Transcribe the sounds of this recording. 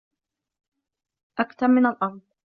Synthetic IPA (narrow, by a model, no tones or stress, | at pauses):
ʔakt̪aɾmɪnalʔɑɾˤd̪ˤ